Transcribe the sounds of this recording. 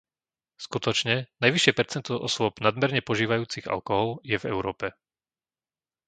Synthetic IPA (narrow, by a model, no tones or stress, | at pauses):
skut̪ɔt͡ʃɲɛnajʋiʃɪɛpɛɾt͡sɛnt̪ɔʔɔsʊɔbnad̪mɛɾɲɛpɔʒiːʋajuːt͡siɣa̰lkɔɦɔljɛvɛ̰ʊɾɔːpɛ